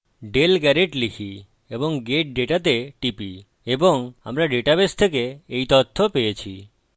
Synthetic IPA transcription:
ɖelɡɛɾeʈlikʰi | ebɔŋɡeʈ̚ɖeʈat̪eʈipi | ebɔŋa̰mɾaɖeʈabest̪ʰekeːjt̪ɔt̪ʰːopejet͡ɕʰi

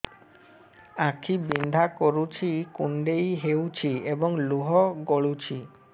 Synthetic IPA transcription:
akʰibind̪ʱakoɾut͡ɕʰikuɳɖejɦewt͡ɕʰiebɔŋluɦɔɡoɭut͡ɕʰi

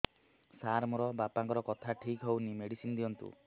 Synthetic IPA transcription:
saɾmuɾɔbapaŋkɔɾɔkɔt̪ʰaʈʰikɦewnimeɽisind̪iɔnt̪ṵ

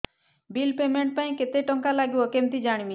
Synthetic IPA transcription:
bilpemeɳʈ̚paĩket̪eʈɔŋkalaɡiwɔkemt̪id͡ʒaɽ̃imi

